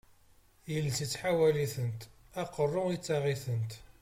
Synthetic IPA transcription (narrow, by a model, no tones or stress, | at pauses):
jəlːsit͡sːħawæliθənt̪æqərˤːʊit͡sːɑʁiθənt̪